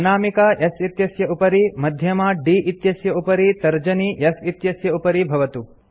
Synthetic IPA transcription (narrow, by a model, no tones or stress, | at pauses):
naːmikaːesit̪jɐsjɐupɐɾimɐd̪ʱjɐmaːɖiːʔit̪jɐsjɐupɐɾit̪ɐɾd͡ʒɐniesit̪jɐsjɐupɐɾibʱɐʋɐt̪u